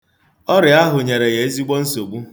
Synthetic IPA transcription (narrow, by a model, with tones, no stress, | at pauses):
ɔ˦ɾɪ˨a˦ɦʊ˨ɲe˨ɾe˨ɣe˨e˦zi˦ɡ͡bɔ˦n̩˦so˨ɡ͡bu˦